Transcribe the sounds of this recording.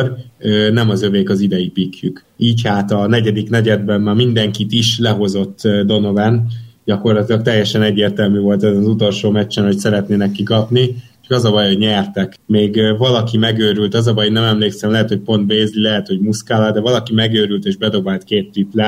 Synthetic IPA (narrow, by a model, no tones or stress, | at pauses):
rønɛmɒzøveːkɒzid̪ɛjipikjyk | iːchaːt̪ɒnɛɟɛd̪iknɛɟɛd̪̚bɛmmaːmind̪ɛŋkit̪iʃlɛɦo̞zo̞t̪ːd̪o̞no̞vɛnɟɒko̞rlɒt̪ilɒkt̪ɛjːɛʃɛnɛɟːeːrt̪ɛlmyvo̞lt̪ɛzɛnzut̪o̞lʃoːmɛt͡ʃːɛnho̞csɛɾɛt̪neːnɛkːikɒpni | t͡ʃɒ̥kɒzɒbɒjhoɟɲɛrt̪ɛk | meːɡvɒlɒkimɛɡøːɾylt̪ɒzɒbɒjnɛmɛmleːksɛmlɛɦɛt̪ho̞c̚po̞nt̪̚beːzlilɛɦɛt̪ho̞ɟmuskaːlɒd̪ɛvɒlɒkimɛɡøːɾylt̪eːʒbɛd̪o̞baːlt̪keːt̪ːyt̪lɛ